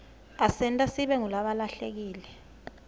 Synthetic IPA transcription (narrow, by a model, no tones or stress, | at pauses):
asɛntʼasiɓɛŋulaɓalaɬek̬iːlɛ